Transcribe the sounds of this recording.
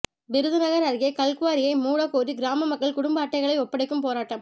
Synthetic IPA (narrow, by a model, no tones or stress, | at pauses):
bɪɾɯðɯnɐɣɐɾɐɾɣekɐlkɯʋaːɾɪjɐɪmuːɽɐkːoːɾiɡɪɾaːmɐmɐkːɐɭkʊɽʊmbɐːʈːɐɪɣɐɭɐɪɔpːɐɽɐɪkːɯmpoːɾaːʈːɐm